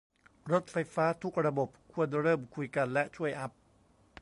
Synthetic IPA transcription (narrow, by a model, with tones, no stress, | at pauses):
ɾo˦˥t̪̚fa˧jfaː˦˥t̪ʰu˦˥k̚ɾa˧bo˨˩p̚kʰu˧ənɾɤː˥˩mkʰu˧jka˧nlɛ˦˥ʔt͡ɕʰu˥˩əjʔa˦˥p̚